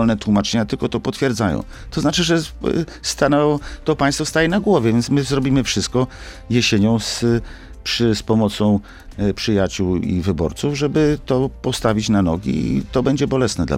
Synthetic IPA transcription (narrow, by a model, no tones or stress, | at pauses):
ɔlnɛt̪wumat͡ʂɛɲat̪ɘlkɔt̪ɔpɔt̪fʲjɛɾd̪zajɔ̰̃w̃ | t̪ɔznat͡ʂɘʐɛst̪anɔt̪ɔpajst̪fɔst̪ajɛnaɡwɔvʲjɛvʲjɛnt̪smɘzɾɔbʲimɘfʂɘst̪̚kɔ | jɛɕeɲɔ̃w̃s | pʂspɔmɔt̪sɔ̃w̃ | pʂɘjat͡ɕuwḭvɘbɔ̰ɾt̪suvʐɛbɘt̪ɔpɔst̪avʲit͡ɕnanɔ̰ɡʲḭt̪ɔbɛɲd͡ʑɛbɔlɛsnɛd̪la̰